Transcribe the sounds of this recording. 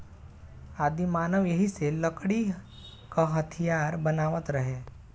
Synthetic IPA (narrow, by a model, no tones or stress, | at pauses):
aːd̪imaːnəʋjɐɦiselɐkɽi | kaɦət̪ʰijaːɾbɐnaːʋət̪ɾɐɦeː